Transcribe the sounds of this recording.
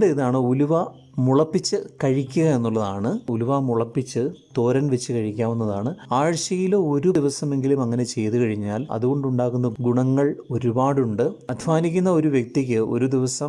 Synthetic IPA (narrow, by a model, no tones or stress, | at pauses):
ɖɨiðaːɳɨuluʋɐ | muɭɐpːit͡ɕːɨkɐɻikʲːuɣɐe̞nːuɭːɐðaːɳɨuluʋɐmuɭɐpːit͡ɕːɨt̪o̞ːɾɐnʋet͡ɕːɨkɐɻikʲːaːmunːɐðaːɳɨaːɻɕɐjiloːo̞ɾuiʋɐsɐme̞ŋɡilumɐŋːɐne̞t͡ɕe̞jt̪ukɐɻiɲːaːlɐ̰ðuɣo̞ɳɖuɳɖaːɣunːɐɡuɳɐŋːɐɭo̞ɾubaːɽuɳɖɨɐd̪ʱiʋaːnikʲːunːɐo̞ɾuʋjek̚t̪ik̬ʲːɨo̞̰ɾud̪iʋɐsɐm